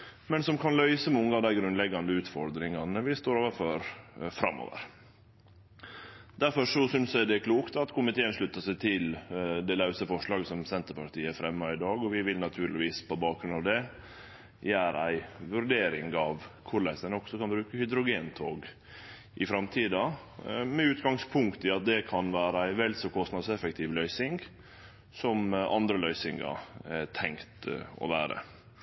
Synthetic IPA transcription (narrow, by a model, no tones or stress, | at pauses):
mɛnsɔmkʰɑnlœʏsəmɔŋːəɑd̪æɪɡɾʉnlɛɡɑnd̪əʉːt̪fɔɾd̪ɾɪŋɑnəʋɪst̪oːɾoːʋəɾfɔɾfɾɑ̰mːo̰ːʋə̰ɾ | d̪æɾfɔʂɔsʏnsjæd̪ɛkʰluːkt̪ɑt̪kʰʊmɪt̪ʰeːənʂɭʉt̪ːəʂæɪt̪ʰɪld̪ɛlɑʉsəfɔʂɭɑːɡsɔmsɛnt̪əɾpɑʈ̪iːəæɾfɾɛmːɑɪd̪ɑːɡɔʋɪʋɪlnɑt̪ʰʉːɾlɪʋiːspɔbɑːkɾʉnɑʋd̪ɛ | jæːɾæɪʋʉɾɖeːɾɪŋɡɑʋkʰʊɾlæɪsənɔkːsɔkɑnbɾʉːkəhʏd̪ɾʊɡeːnt̪ʰoːɡ | ʔɪfɾɑmt̪ʰiːd̪ɑ | mɛʉːt̪ɡɑŋspʰʊŋkt̪ɪɑt̪̚d̪ɛkʰɑnʋæːɾəæɪʋɛlsɔkʰɔst̪nɑd̪sɛfɛkt̪ʰɪʋlœʏsɪŋɡ | sɔmʔɑ̰nd̪ɾəlœʏsɪŋɑ̰ɛt̪ʰɛŋkt̪ɔ̰ʋæːɾə̰